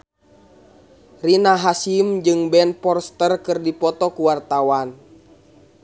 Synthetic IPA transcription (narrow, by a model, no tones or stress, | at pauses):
rinaɦasimd͡ʒɨŋbɛnpɔrst̪ərkɨrdipɔt̪ɔkuwart̪awan